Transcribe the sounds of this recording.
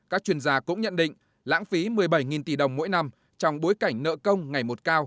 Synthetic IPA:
kaː˦˥k̚t͡ɕwi˧˩ənzaː˧kʊ̰˧˥ŋ͡mɲə̰˧˨nɗḭ̈˧˨ŋ̟ | la̰ː˧˥ŋfi˨˦mɨ˨˩əjɓa˧˩jŋi˨˩nt̪i˧˩ɗə˨˩wŋ͡mmo̰˧˥jna˧m | t͡ɕɔ˧wŋ͡mɓo˨˦jka˧˩jŋ̟nə̰ː˧˨kə˧wŋ͡mŋa˨˩jmo˨˩t̚kaː˧w

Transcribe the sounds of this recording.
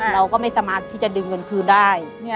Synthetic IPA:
ɾa˧wkɔː˥˩ma˥˩jsaː˧maː˧˩t̪ʰːiː˥˩t͡ɕa˨dɯː˧ŋɤ˧nt̪ʰɯː˧ndaː˥˩j

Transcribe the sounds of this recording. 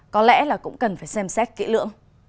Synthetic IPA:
kɔ˨˦lɛ̰˧˥laː˨˩kʊ̰˧˥ŋ͡mkə˨˩nfaː˧˩jsɛ˧msɛ˦˥t̚kḭ˧˥lɨ̰˧˨əŋ

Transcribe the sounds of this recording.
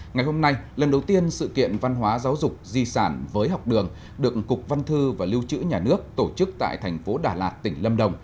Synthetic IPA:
ŋa˨˩jho˧mna˧jlə˨˩nɗə˨˩wt̪i˧ənsɨ̰˧˨kḭ˧˨ənva˧nɦwaː˨˦zaː˨˦wzʊ˨˩k͡p̚zi˧saː˧˩nvəː˨˦jɦɔ˨˩wk͡p̚ɗɨ˨˩əŋ | ɗɨ˨˩ək̚kːʊ˨˩k͡p̚va˧nt̪ʰɨ˧vaː˨˩li˧wt͡ɕɨ̰˧˥ɲaː˨˩nɨ˦˥ək̚t̪o˧˩t͡ɕɨ˦˥k̚t̪a̰ː˧˨jt̪ʰɛ˨˩jŋ̟fo˨˦ɗaː˧˩laː˨˩t̚t̪ï˧˩ŋ̟lə˧mɗə˨˩wŋ͡m

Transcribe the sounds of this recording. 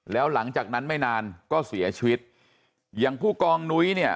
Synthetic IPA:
lɛː˦˥wla˩˦ŋt͡ɕaː˨˩k̚na˦˥nma˥˩jnaː˧nkɔː˥˩si˩˦ɐt͡ɕʰi˧wi˦˥t̪̚ | jaː˨˩ŋpʰuː˥˩kɔː˧ŋnu˦˥jni˥˩ɐ

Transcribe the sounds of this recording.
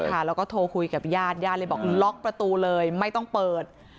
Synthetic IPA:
kʰa˥˩lɛː˦˥wkɔː˥˩t̪ʰoː˧kʰu˧jka˨˩p̚jaː˥˩t̪̚jaː˥˩t̪̚lə˧˥˩bɔː˨˩k̚lɔ˦˥k̚pɾa˧t̪uː˧lɤː˧jma˥˩jt̪ɔ˥˩ŋpɤː˨˩t̪̚

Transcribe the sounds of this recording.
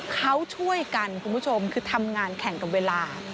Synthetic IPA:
kʰa˦˥wt͡ɕʰu˥˩əjka˧nkʰu˧nbʰu˦˥t͡ɕʰo˧mkʰɯː˧t̪ʰa˧mŋaː˧nkʰɛ˨˩˦ŋka˨˩p̚weː˧laː˧

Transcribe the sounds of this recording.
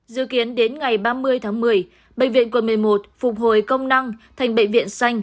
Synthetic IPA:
zɨ̰˧˥ki˨˦ənɗe˨˦nŋa˨˩jɓaː˧mɨ˧əjt̪ʰaː˨˦ŋmɨ˨˩əj | ɓə̰˧˨ŋ̟vḭ˧˨ənkwə˨˩mɨ˨˩əjmo˨˩t̚fʊ˨˩k͡p̚ɦo˨˩jkə˧wŋ͡mna˧ŋt̪ʰa˨˩jŋ̟ɓə̰˧˨jŋ̟vḭ˧˨ənsa˧jŋ̟

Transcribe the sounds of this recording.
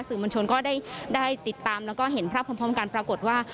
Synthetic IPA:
sɯː˨˩moː˧nt͡ɕʰo˧nkɔː˥˩daː˥˩jdaː˥˩jt̪i˨˩t̪ːaː˧mlɛː˦˥wkɔː˥˩ɦe˩˦npʰɾaː˥˩p̚ʰːmpʰɔː˦˥ka˧npɾaː˧ko˨˩t̪̚waː˥˩

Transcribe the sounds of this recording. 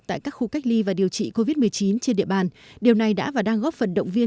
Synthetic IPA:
t̪a̰ː˧˨jkaː˦˥k̚xu˧ka˦˥jk̟̚li˧vaː˨˩ɗi˨˩əwt͡ɕḭ˧˨ko˧vi˦˥t̚mɨ˨˩əjt͡ɕi˨˦nt͡ɕe˧nɗḭ˧˨əɓaː˨˩n | ɗi˨˩əwna˨˩jɗa̰ː˧˥vaː˨˩wɗaː˧ŋɣɔ˦˥p̚fə˨˩nɗə̰˧˨wŋ͡mvi˧ə

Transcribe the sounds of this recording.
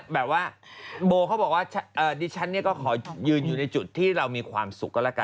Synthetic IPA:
bɛː˨˩p̚waː˥˩ | boː˧kʰwbɔː˨˩k̚waː˥˩t͡ɕʰa˦˥ʔɤː˨˩diː˧t͡ɕʰa˦˥nːi˥˩ɐkɔː˥˩kʰɔː˩˦jɯː˧njuː˨˩na˧jt͡ɕu˨˩t̪ʰːiː˥˩ɾa˧wmiː˧kʰwa̰ː˧msu˨˩kːɔː˥˩lɛː˦˥˩ka˧

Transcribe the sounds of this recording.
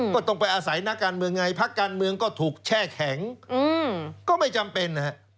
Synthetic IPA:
kɔː˥˩t̪o˥˩ŋpa˧jʔaː˧sa˩˦jna˦˥kːaː˧nmɯ˧əŋːa˧jpʰa˦˥kːaː˧nmɯ˧əŋkɔː˥˩t̪ʰuː˨˩k̚t͡ɕʰɛː˥˩kʰɛ˩˦ŋɯː˧kɔː˥˩ma˥˩jt͡ɕa˧mpe˧nːa˧˥

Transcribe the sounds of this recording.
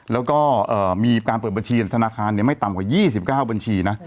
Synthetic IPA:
lɛː˦˥wkɔː˥˩ʔɤː˨˩miː˧kaː˧npɤː˨˩ba˧nt͡ɕʰiː˧˩t̪ʰa˧naː˧kʰaː˧nːi˥˩əma˥˩jt̪a˨mkwaː˨˩jiː˥˩si˨˩p̚kaː˥˩wba˧nt͡ɕʰiː˧na˦˥

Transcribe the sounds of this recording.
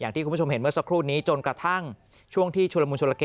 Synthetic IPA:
jaː˨˩t̪ʰiː˥˩u˧˦˥o˧mhe˩˦nmɯ˥˩ɐsa˦˥kʰɾuː˥˩niː˦˥t͡ɕo˧nkɾa˧t̪ʰa˥˩ŋ | t͡ɕʰu˥˩əŋt̪ʰiː˥˩t͡ɕʰu˧la˧muː˧nt͡ɕʰu˧la˧keː˧

